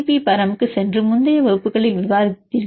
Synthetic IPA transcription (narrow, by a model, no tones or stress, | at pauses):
pipɐɾɐmɯkːɯsɛndrɯmʊnd̪ɐjɐʋɐɣɯpːɯɣɐɭɐɪʋɪʋaːðɪt̪ːiɾ